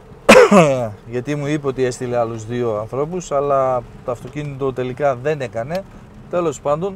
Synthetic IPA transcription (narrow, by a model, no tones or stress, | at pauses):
ʝɐt̪imuipeo̞t̪ie̞st̪ile̞ɐluzðio̞ɐnθɾo̞pusɐlɐt̪oɐft̪o̞cinit̪o̞t̪e̞likɐðe̞ne̞kɐne̞ | t̪e̞lo̞spɐnd̪o̞n